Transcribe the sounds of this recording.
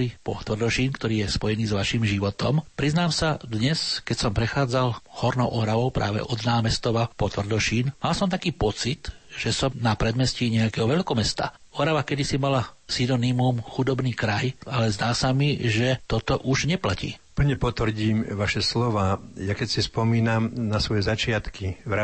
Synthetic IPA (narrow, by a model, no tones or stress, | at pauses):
lipɔ̰t̪ʋr̩d̪ɔʃiːnkt̪ɔɾiːjɛspɔjɛniːzʋaʃiːmʒiʋɔt̪ɔmpɾiznaːmsad̪ɲɛskɛcsɔmpɾɛxaːd͡zalhɔɾnɔʊʔɔɾaʋɔʊpɾa̰ːʋɛ̰ʔɔd̪naːmɛst̪ɔʋapɔt̪ʋr̩d̪ɔʃiːnmalsɔmt̪akiːpɔt͡sit̪ʒ̥ɛsɔmnapɾɛd̪mɛsciɲɛakɛɦɔʋɛʎkɔmɛst̪a̰ | ɔɾaʋakɛd̪isimalasinɔnimumxud̪ɔbniːkɾajalɛzd̪aːsamiʒɛt̪ɔt̪ɔʔuʒɲɛplacḭːpl̩ɲɛpɔt̪ʋr̩ɟiːmʋaʃɛslɔʋaːjakɛcsispɔmiːnamnasʋɔjɛzat͡ʃɪat̪kiʋɾa